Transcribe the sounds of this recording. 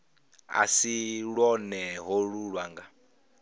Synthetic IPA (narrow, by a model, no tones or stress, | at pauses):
a̰siɺwɔnɛɦɔɺuɺwaːŋɡa